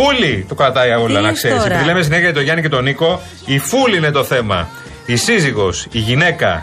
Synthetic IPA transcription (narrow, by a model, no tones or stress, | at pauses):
ulit̪o̞kɾɐt̪ɐiɐolɐnɐkse̞ɾisepiðile̞mes̬ineçɐet̪oʝɐnice̞t̪o̞niko̞ | ifuliinet̪o̞θe̞mɐ̰ | isiziɣo̞siʝine̞kɐ̰